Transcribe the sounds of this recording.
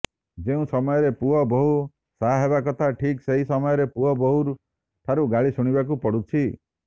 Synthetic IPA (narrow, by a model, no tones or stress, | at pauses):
d͡ʒeũsɔmɔjɔɾepuɦɔbɔɦu | saɦeβakɔt̪ʰaʈʰikseɦisɔmɔjɔɾepuɦɔbɔɦuɾ | t̪ʰaɾuɡaɭisuɽ̃ibakupɔɽut͡ʃʰi